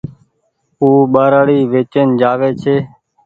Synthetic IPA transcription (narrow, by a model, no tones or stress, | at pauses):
uːɓaːɾaːɽiːʋeːt͡ʃənd͡ʒaːʋeːt͡ʃʰeː